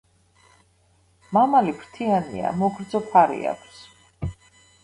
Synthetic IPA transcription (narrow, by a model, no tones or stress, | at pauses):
mamalipʰɾt̪ʰianḭa̰mɔɡɾd̪zɔpʰaɾḭa̰kʷʰs